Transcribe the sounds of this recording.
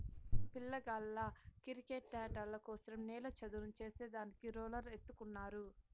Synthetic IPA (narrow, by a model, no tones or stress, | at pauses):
pilːɐɡɐlːɐkiɾikeʈːaːɖɐlːɐkɔːsɐɾɐmniːlɐt͡ʃɐd̪uɾumt͡ʃe̞ːseːd̪aːnikiɾoːlɐɾet̪ːukunːaːɾu